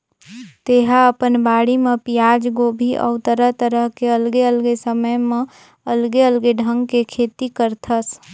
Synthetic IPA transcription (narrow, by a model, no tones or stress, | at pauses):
t̪eɦaəpənbaːɽimepijad͡ʒɡobʱiʔə̰ʊt̪əɾəɦt̪əɾəɦkeəlɡeəlɡesəməjmẽ | əlɡeəlɡeɖʱə̃ŋɡkekʰet̪ikəɾt̪ʰəs